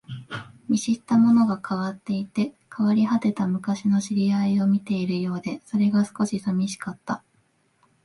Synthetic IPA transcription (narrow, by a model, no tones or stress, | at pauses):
mʲiɕit̪ːamo̞no̞ɡakʰaβat̪ːe̞it̪e̞ | kʰaβaɾʲiɦat̪e̞t̪amɯ̟kaɕino̞ɕiɾʲiaio̞mʲit̪e̞iɾɯ̟jo̞ːd̪e̞so̞ɾe̞ɡasɨ̥ko̞ɕisamʲiɕi̥kat̪ːa